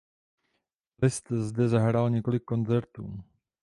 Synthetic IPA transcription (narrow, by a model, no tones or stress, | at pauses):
lɪst̪zdɛzaɦɾalɲɛko̞lɪkːo̞nt͡sɛɾt̪ṵː